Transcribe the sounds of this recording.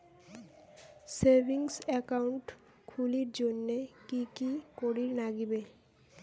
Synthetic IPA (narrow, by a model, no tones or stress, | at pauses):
seɾbʱiŋsɛkauɳʈ | kʰuliɾd͡ʑonːekikikoɾiɾnaɡibe